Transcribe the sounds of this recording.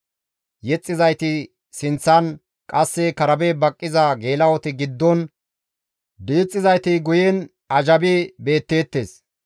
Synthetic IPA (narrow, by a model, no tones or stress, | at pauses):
jɛt͡sʼːɪzɐjt̪ɪ | sɪnt͡sːɐn | kʼɐsːɛkɐɾɐbebɐkʼːɪzɐɡe̞ːlɐwɔt̪ɪɡɪd̪ːɔn | d̪iːt͡sʼːɪzɐjt̪ɪɡʊjɛn | ɐd͡ʒɐbɪbe̞ːt̪ːe̞ːt̪ːeːs